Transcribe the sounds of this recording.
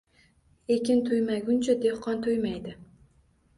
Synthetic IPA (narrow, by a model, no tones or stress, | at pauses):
ekʲɪnt̪ʰʊjmaɡʲʊnt͡ʃʰad̪e̞hqɒnt̪ʰʊjmajd̪ɪ